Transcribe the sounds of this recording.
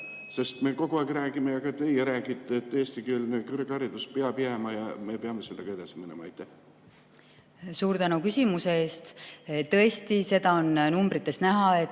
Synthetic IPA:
se̞st̪me̞ko̞ɡ̥uɑˑːɡiɾæːɡimejɑɡɑt̪e̞jeɾæːɡit̪ˑːet̪ːeːst̪ikylnekyrɡ̥ɑɾid̪̥uspeɑpiemɑjɑ̰me̞peɑme̞se̞lːeɡ̥ɑe̞d̪̥ɑsiminemɑɑ̰jt̪ːˑæh | suːɾt̪ænukysʲimuse̞eːst̪t̪ɤe̞st̪ise̞d̪ɑonnumbrit̪ːˑe̞snæɦɑet̪ː

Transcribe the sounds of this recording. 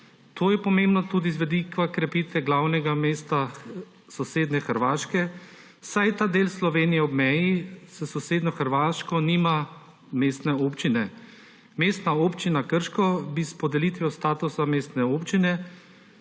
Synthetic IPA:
t̪ʰoːjɛpɔmembnɔt̪uːd̪izʋɛd̪ikʋakɾɛpiːt̪ʋɛɡlawnɛɡameːst̪a | sɔseːd̪nɛxəɾʋaːʃkɛ | sajt̪aːd̪eːlslɔʋeːnijɛɔbmɛjisəsɔseːd̪nʲɔxəɾʋaːʃkɔniːma | meːst̪nɛopt͡ʃinɛ | meːst̪naoːpt͡ʃinakəɾʃkɔbispɔd̪ɛlit̪ʋijost̪aːt̪usameːst̪nɛoːpt͡ʃinɛ

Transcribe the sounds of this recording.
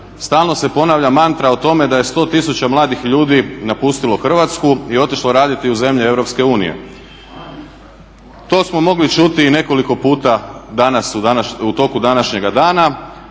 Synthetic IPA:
st̪aːlˠno̞se̞po̞naʋʎamant̪ɾaot̪o̞me̞d̪aje̞st̪o̞t̪isut͡ɕamlˠaːd̪ixʎuːd̪inapust̪ilo̞xr̩ʋat̪skuio̞t̪iʃlˠo̞ɾaːd̪it̪iuze̞mʎee̞ʋɾo̞pske̞uːnḭje̞̰ | t̪o̞ːsmo̞mo̞ɡlit͡ʃut̪iːne̞ko̞liko̞puːt̪ad̪anasuanaut̪o̞kud̪anaʃɲe̞ɡad̪aːna

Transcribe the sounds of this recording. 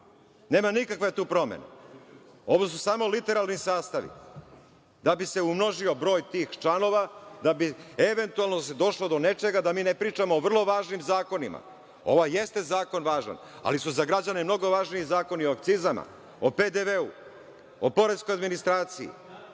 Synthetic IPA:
ne̞ːmanikakʋe̞t̪uːpɾo̞mḛnḛ | o̞ʋos̬usaːmo̞lit̪e̞ɾalˠnisaːst̪aʋḭ | d̪abise̞umno̞ʒio̞bɾo̞ːjt̪iːxt͡ʃano̞ʋad̪abieʋe̞nt̪ualˠnosed̪o̞ʃlod̪o̞ne̞t͡ʃe̞ɡad̪amiːnepɾiːt͡ʃamoːʋr̩lˠo̞ʋaːʒnimzaːko̞nima̰ | o̞̰ʋaje̞st̪e̞zaːko̞nʋaːʒa̰n | a̰lisuzaɡɾad͡ʑane̞mno̞ɡo̞ʋaːʒniizaːko̞nio̞ak̚t̪sizama̰ | oped̪eʋeu | opo̞ɾe̞d̪sko̞jad̪minist̪ɾaːt̪siḭ

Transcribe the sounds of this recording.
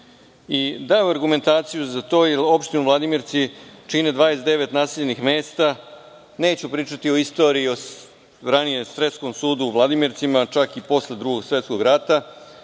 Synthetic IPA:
id̪ajuaɾɡume̞nt̪aːt̪sijuzat̪o̞ːjelo̞pʃt̪inuvlad̪imiɾt̪sit͡ʂined̪ʋaːjesd̪e̞ʋe̞t̪naːseʎenixme̞ːst̪a | ne̞ːt͡ɕupɾiːt͡ʂat̪io̞ist̪o̞ɾiːo̞ | ɾanijesɾe̞t̪sko̞msuːd̪uːʋlˠad̪imiɾt̪simat͡ʂakipo̞sled̪ɾuɡo̞ɡsʋe̞t̪skoɡɾat̪a

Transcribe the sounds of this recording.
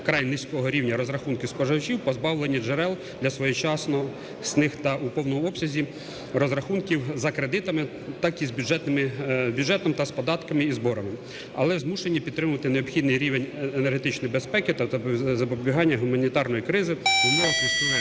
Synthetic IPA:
kɾɑjnɪsʲkɔɦɔɾʲiwnʲɐɾɔzɾɐxunkʲɪskɔʒɐwt͡ʃiwpɔzbɑwlˠenʲːid͡ʒeɾɛlˠ | d̪lʲɐsʋɔjɛt͡ʃɑsnɔ | snɪxt̪ɐʔupɔwnɔmʊɔpsʲɐzʲi | rɔzɾɐxunkʲiwzɐkɾed̪ɪt̪ɐmɪ | t̪ɑkizbʲud͡ʒɛt̪nɪmɪbʲudd͡ʒɛt̪ɔmt̪ɐspɔd̪ɑt̪kɐmɪizbɔɾɐmɪ | ɐ̰lˠɛzmuʃenʲːipʲid̪t̪ːɾɪmʊʋɐt̪ɪneɔbxʲid̪nɪjɾʲiʋenʲenerɦet̪ɪt͡ʃnɔjibespɛkɪt̪ɐzɐpɔbʲiɦɑnʲːɐɦʊmɐnʲit̪ɑrnɔjikɾɪzɪumɔʋɐsɪsnu

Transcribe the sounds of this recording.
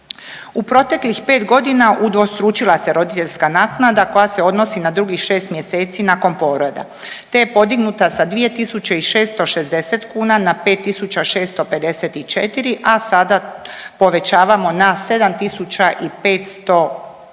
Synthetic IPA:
upɾo̞t̪e̞klixpe̞ːt̪ɡo̞d̪inaʔud̪ʋo̞st̪ɾuːt͡ʃilˠase̞ɾo̞d̪it̪e̞ʎʲskanat̪nad̪ako̞jase̞o̞d̪no̞sinad̪ɾuɡixʃe̞ːst̪mje̞se̞ːt̪sinako̞npo̞ːɾod̪a̰t̪ejepo̞d̪iɡnut̪asad̪ʋije̞t̪isut͡ɕe̞iʃe̞ːst̪oʃezd̪e̞set̪kuːnanape̞ːt̪ːisut͡ɕaʃe̞ːst̪o̞pe̞d̪e̞set̪it͡ʃet̪iɾiʔasad̪apo̞ʋe̞t͡ɕaːʋamo̞nase̞d̪amt̪isut͡ɕaʔipeːt̪st̪o̞

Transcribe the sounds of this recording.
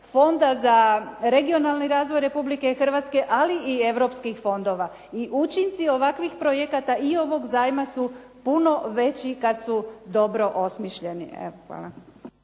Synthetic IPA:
fo̞nd̪azaɾe̞ɡio̞nalˠniɾaːzʋojɾe̞publikexr̩ʋat̪ske̞ʔaliʔie̞ʋɾo̞pskixfo̞nd̪o̞ʋa | iʔut͡ʃint̪sio̞ʋakʋixpɾojekat̪aio̞ʋo̞ɡzaːjmasu | puno̞ʋe̞t͡ɕikad̪sud̪o̞bɾo̞ʔo̞smiʃʎe̞nḭḛʋoxa̰ːla̰

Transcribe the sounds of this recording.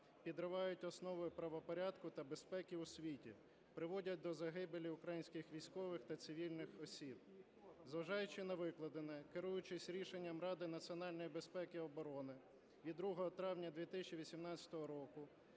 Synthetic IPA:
pʲid̪ɾɪʋɑjʊtʲɔsnɔʋɔjʊpɾɐʋɔpɔɾʲɑd̪kʊt̪ɐbespɛkʲiusʲʋʲitʲḭ | pɾɪʋɔdʲɐt̚ʲd̪ɔzɐɦɪbelʲiʊkɾɐjinʲsʲkɪxʋʲijsʲkɔʋɪxt̪ɐt̪sɪʋʲilʲnɪxɔsʲib̚ | zʋɐʒɑjʊt͡ʃɪnɐʋɪklˠɐd̪enɛkɪɾujʊt͡ʃɪsʲɾʲiʃenʲːɐmɾɑd̪ɪnɐsʲiɔnɑlʲnɔjibe̞spɛkɪɔbɔɾɔnɪ | ʋʲid̪ːɾuɦɔɦɔt̪ɾɑwnʲɐd̪ʲʋʲit̪ɪsʲt͡ʃiʋʲisʲimnɑt͡sʲɐ̥t̪ɔɦɔɾɔkʊ

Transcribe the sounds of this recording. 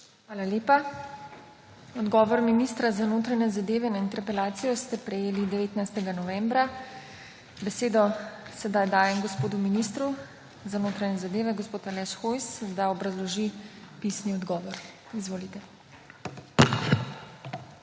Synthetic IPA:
xʋaːlaleːpa | ɔd̪ɡɔːʋɔɾminist̪ɾazanoːt̪ɾaɲɛzad̪eːʋɛnaint̪ɛɾpɛlaːt̪sijɔst̪ɛpɾɛjeːlid̪ɛʋeːt̪najst̪ɛɡanɔʋɛːmbɾa | bɛseːd̪ɔsɛd̪ajd̪aːjɛmɡɔspoːd̪uminist̪ɾu | zanoːt̪ɾaɲɛzad̪eːʋɛɡɔspoːt̪alɛʃxojsd̪aɔbɾazlɔʒipisniɔd̪ɡɔːʋɔɾ | izʋoːlit̪ɛ

